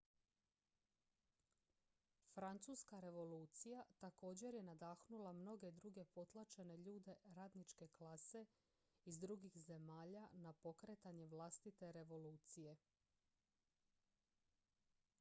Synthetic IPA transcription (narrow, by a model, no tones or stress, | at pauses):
fɾant̪suːskaɾe̞ʋo̞luːt̪sijat̪ako̞ːd͡ʑe̞ɾje̞nad̪aːxnulamno̞ɡe̞d̪ɾuɡe̞po̞t̪lˠat͡ʃe̞ne̞ʎuːd̪e̞ɾaːd̪nit͡ʃke̞klase̞ | izd̪ɾuɡixze̞maːʎanapo̞kɾe̞t̪aɲeʋlˠast̪it̪e̞ɾe̞ʋo̞luːt̪sije̞